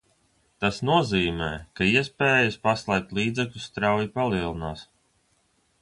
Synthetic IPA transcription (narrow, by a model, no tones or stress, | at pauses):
t̪asnuɔziːmɛːkaiɛspɛːjaspaslˠɛjk̚t̪lˠiːd̪zɛklʲust̪ɾawjipalˠiɛlˠinaːs